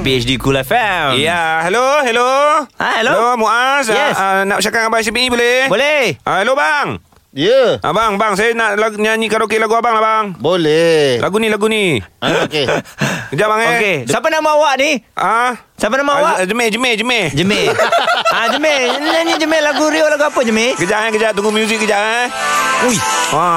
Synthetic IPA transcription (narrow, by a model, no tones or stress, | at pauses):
piɛt͡ʃdikulafajaɦɛloɦɛloahɛloomuʔas̬ɛsanaʔps̬akaŋabas̬ipiibolɛbolɛhahelobaŋ | jəʔa̰baŋbaŋs̬ajanaʔlaɡɲaɲikanokelaɡuabaŋlahbaŋbolɛhlʔaɡunilaɡuniok | kəd͡ʒaʔbaŋkesapənamaawaʔniʔa | sapənamaawaʔd͡ʒəmɛhd͡ʒəmɛhd͡ʒəmɛhd͡ʒəme | ad͡ʒəmɛɲaɲid͡ʒəmɛhlaɡuɾiolaɡuapəd͡ʒəmekəd͡ʒaʔakəd͡ʒat̪uŋɡumjuzɪk̚əd͡ʒaʔa | uja